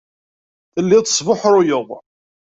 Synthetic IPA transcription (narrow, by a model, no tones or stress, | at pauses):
θəlːiðˤə̥sˤvəħɾʊjəðˤ